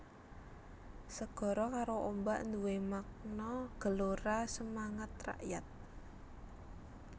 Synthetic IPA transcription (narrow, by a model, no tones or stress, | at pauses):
səɡ̥ɔ̤ɾɔkaɾoʔombaʔnd̪uwemak̚nɔɡ̥ə̤loɾasəmaŋət̪ra̰ʔjat̪̚